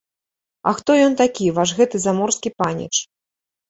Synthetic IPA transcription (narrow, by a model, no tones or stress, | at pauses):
ɐ̰xt̪ɔjɔnt̪akʲivaʂɣɛt̪ɨzamɔrskʲipanʲḭt͡ʂ